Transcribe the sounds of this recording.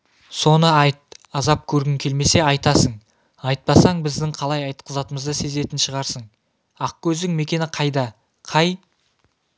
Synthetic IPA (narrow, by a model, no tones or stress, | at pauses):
so̞nəɑjt̪̚ɑzɑp̚kʲʰɵɾɡʲɪŋkʲʰe̞lme̞se̞ɑjt̪ɑsəɴ | ɑjt̪̚pɑsɑɴbɪzd̪ɪŋqʰɑlˠɑjɑjt̪qʰəzɑt̪əməzd̪əse̞ze̞t̪ɪnʃəʁɑɾsəɴ | ɑq̚kʲʰɵzd̪ɪŋme̞kʲe̞nɪqʰɑjd̪ɑ | qʰɑj